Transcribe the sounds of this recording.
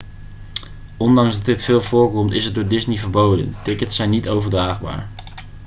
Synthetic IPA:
ɔndɑŋzdɑdɪtfɪːlˠvʊːɹkɔmtɪsədʊːɹdɪsnivəɹbowdə̰ntɪkətsɛjnːitowvəɹdraːχba̰ːɹ

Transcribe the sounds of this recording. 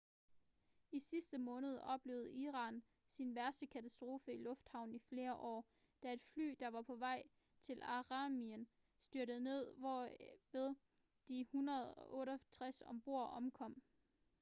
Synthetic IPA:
isisd̥əmɔ̽ːnəð̞ˠɒ̽b̥le̝ːʊð̩ˠiːʁɑ̈ːn | sinʋæɐsd̥əkʰæt͡sʰæsd̥ʁo̝ːfəilɔ̽fd̥hɑ̈ʊ̰n̩ifle̝ːɐʔɒ̰ː | d̥æe̝d̥fly̰ːd̥ɑ̈ʋɑ̈pʰɒ̽ʋɑ̈ɪ̰ | t͡sʰe̝lɑ̈ʁɑ̈miən | sd̥yɐ̰ɾəð̩ˠne̝ð̞̰ˠʋɒʋe̝ðˠ | d̥ihunʁɐð̞̩ˠɒ̽ʔɔ̽ːɾɐt͡sʰʁasɒmb̥o̝ɐ̰ʔɒ̽mkʰɒ̽m̰

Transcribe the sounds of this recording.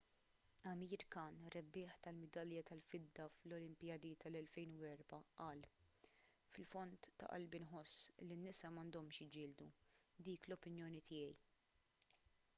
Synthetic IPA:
ɐmiːɾkɐːnɾɛbːɪːħt̪ɐlmɛd̪ɐljɐt̪ɐlfɪd̪ːɐflɔlɪmpɪjɐd̪it̪ʰɐlɛlfɛjnuwɛɾbɐʔɐːl | fɪlfɔnt̪ːɐ̰ʔɐ̰lbinħɔsːlinːɪsɐmɐnd̪ɔmʃjɪd͡ʒɪːld̪ud̪iːklɔpɪnjɔːnit̪ɪːjɛj

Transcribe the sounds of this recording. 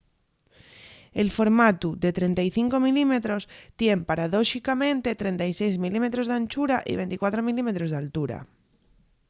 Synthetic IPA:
e̞lfo̞ɾmat̪uðe̞t̪ɾe̞nt̪ajθiŋko̞milime̞t̪ɾo̞st̪je̞mpaɾaðo̞ʃikamẽ̞nt̪e̞t̪ɾe̞nt̪ajse̞jzmilime̞t̪ɾo̞zðãnt͡ʃuɾaʔḭβe̞nt̪ikwat̪ɾomilime̞t̪ɾo̞zðealt̪uɾa̰

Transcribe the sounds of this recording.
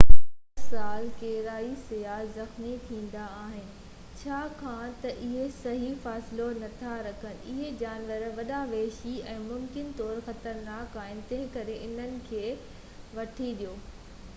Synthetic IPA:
saːlkeɦɾaːisɪjazɐxmit̪ʰĩːn̆d̪aːɦɪnɪ̆ | t͡ɕʰaːkʰãt̪ɐʔɪɦesɐɦifaːsɪlonɐt̪ʰaɾɐkʰənɪ̆ɪɦed͡ʑaːnʋəɾʋɐɗaʋeːʃiɛ̃ːmʊmkɪnt̪ɔːɾxɐt̪əɾnaːkaːɪ̃nt̪eɦkɐɾeʔɪn̤ənɪ̆kʰeː | ʋɐʈʰiɗijoː

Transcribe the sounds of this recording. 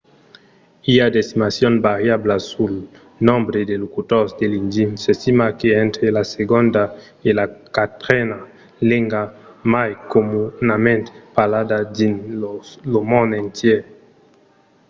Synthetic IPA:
iad̪est̪imasjonbaɾjablasul | nõmbɾed̪elokut̪osd̪elind͡ʒinsest̪imakeent̪ɾelaseɡond̪a | elakat̪ɾena | leŋɡamajkomunamẽnt̪palad̪ad̪inolomõnent̪je

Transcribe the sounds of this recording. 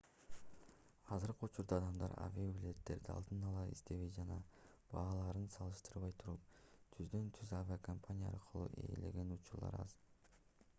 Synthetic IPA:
ɑzɯɾqɯut͡ʃuɾd̪ɑːd̪ɑmd̪ɑɾa̰vʲiabʲilʲe̞t̪ːe̞ɾd̪iɑ̰lˠd̪ɯnɑlˠɑḭst̪e̞βe̞jd͡ʒɑnɑ | b̥ɑːlˠɑɾɯnsɑlˠɯʃt̪ɯɾβɑjt̪ʰuɾup̚t̪ʰyzd̪ø̞nt̪ʰyzavʲiakʰompʰanʲijaɑ̰ɾqʰɯlˠṵːʔḛːle̞̰ɡe̞nut͡ʃuɾlˠɑ̰ɾɑ̰z

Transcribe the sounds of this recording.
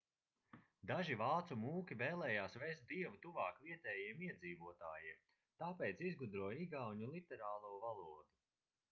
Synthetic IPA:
d̪aʒivaːt̪sumuːkʲivɛːlˠɛːjaːsvɛjst̪̚d̪iɛvut̪uvaːkviɛt̪ɛːjiɛmiɛd̪ziːvuɔt̪aːjiɛm | t̪aːpɛːjt̪sizɡud̪ɾuɔiɡawɲulˠit̪ɛɾaːlˠuːvalˠuɔd̪u

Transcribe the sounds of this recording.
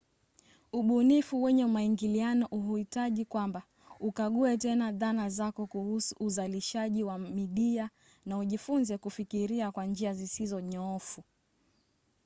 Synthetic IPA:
uɓunifuwɛɲɛumaiŋɡilianɔʔuɦuitaʄikwamba | ukaɠuɛtɛnaðanazakɔkuhusuʔːzaliʃaʄiwamiɗia | nauʄifunzɛkufikiɾiakwand͡ʒiazisizɔɲɔɔfu

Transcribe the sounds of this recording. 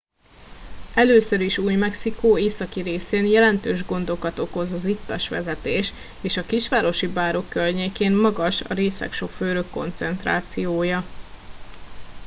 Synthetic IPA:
ɛløːsøɾiʃuːjmɛksikoːeːsɒkiɾeːseːnjɛlɛnt̪øːʒɡo̞nd̪o̞kɒt̪o̞ko̞zɒzit̪ːɒʃʋɛ̰zɛt̪eːʃ | eːʃɒkiʃʋaːɾo̞ʃibaːɾo̞kːørɲeːkeːnmɒɡɒʃɒ̰ɾeːsɛ̰kʃo̞kføːɾøkːo̞̰nt̪sɛnt̪ra̰ːt̪sijoːjɒ

